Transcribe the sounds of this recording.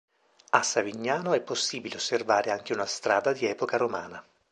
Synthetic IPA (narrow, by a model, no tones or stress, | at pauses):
asːaviɲːaːnoɛpːosːiːbileosːervaːɾeaŋk̟eunast̪ɾaːd̪ad̪iɛːpokaɾoma̰ːna